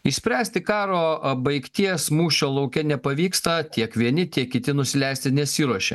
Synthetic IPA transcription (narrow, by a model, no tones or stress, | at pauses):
iʃsʲpʲɾʲæːsʲt̪ʲɪkɑːɾoːbɐɪkt̪ʲiɛsmuːʃʲoːlˠɐʊkʲɛnʲɛpɐʋʲiːkst̪ɐt̪ʲiɛkʋʲiɛnʲɪt̪ʲiɛkkʲɪt̪ʲɪnʊsʲɪlʲɛɪsʲt̪ʲɪnʲɛsʲiːɾuɔʃʲɛ